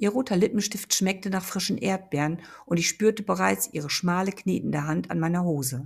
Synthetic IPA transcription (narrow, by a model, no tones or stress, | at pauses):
ʔiːɐʁoːtʰɐlɪpn̩ʃtɪftʃmɛk̚tənaːχfʁ̥ɪʃn̩ʔḛːɐt̚b̥ɛːɐʁən | ʔʊntɪçʃpyːɐtəbəʁaɪt͡sʔiːʁ̞əʃmaːləknḛːtn̩dəɦanta̰nmaɪnɐɦoːzə